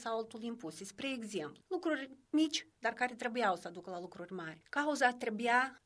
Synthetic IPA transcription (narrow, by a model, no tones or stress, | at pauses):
sawalt̪ulimpusespɾeːɡzempllukɾurʲmit͡ʃʲd̪arkaɾʲet̪ɾe̞bujawsəd̪ukəlalukɾurʲmarʲkauzat̪ɾebuja